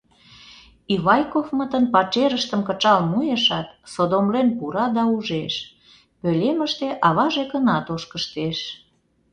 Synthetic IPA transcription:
iβɑjkofmə̆t̪ənpɑt͡ʃeɾəʃt̪əmkət͡ʃɑlmujeʃɑt̪sod̪omlenpuɾɑd̪ɑuʒeʃ | pølʲeməʃt̪eʔɑβɑʒekənɑt̪oʃkəʃt̪eʃ

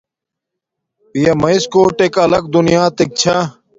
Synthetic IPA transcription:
pijɐmɐiskoːʈekɐlɐk̚d̪unijaːt̪ek̚t͡ɕʰa

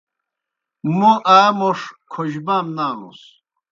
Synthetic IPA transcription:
muʔaːmoʂkʰoʑbaːmnaːnṵs

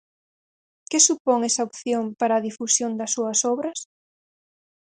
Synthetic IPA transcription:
kɪsupoŋɛsɐopθjompaɾɐːðifusjond̪ɐsːuɐsɔβɾɐs

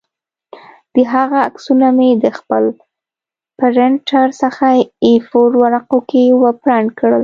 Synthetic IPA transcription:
d̪̥əɦaɣaːksunamed̪əxpəl | pəɾɪɳʈaɾsəxaifoɾwaɾaqokewəpɾaɳkɽəl

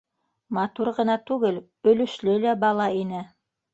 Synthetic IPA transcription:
mɑt̪uɾʁɤ̆nɑt̪ʉɡɘl | ɵ̆lɵ̆ʃlɵlæbɑlˠɑinɘ

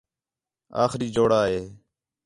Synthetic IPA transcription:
a̰ːxɾiːd͡ʒoːɽaːɦeː

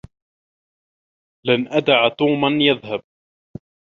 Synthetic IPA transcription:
lanʔad̪aʕat̪uːmanjaðhab̚

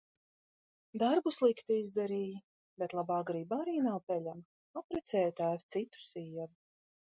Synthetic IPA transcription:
d̪aɾbuslˠikt̪iizd̪ɛɾiːj | bɛt̪lˠabaːɡɾiːbaɾiːnawpʲɛlʲam | apɾɛt̪sɛːjt̪æːvt̪sit̪u̥siɛvu

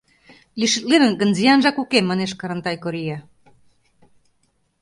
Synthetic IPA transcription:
liʃɘ̆t̪̚lenə̆nɡə̆nzijɑnʒɑkukemːɑneʃkɑɾə̆nt̪ɑjkoɾijɑ

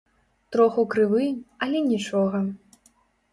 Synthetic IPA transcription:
t̪ɾɔxukɾɨvɨɐlʲɛnʲit͡ʂɔɣɐ

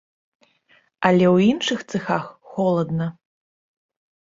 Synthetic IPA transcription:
alʲɛwinʂɨxt̪sɨxaxxɔlˠɐd̪nɐ

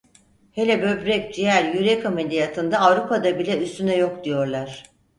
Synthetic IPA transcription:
he̞lʲɛbø̞bɾɛc̚ʲd͡ʒijæɾjyɾɛkʰamed̪ʲijat̪ʰɯnd̪aːvɾupad̪abilʲɛyst̪ynɛjo̞k̚d̪ijo̞ɾlˠaɾ̥

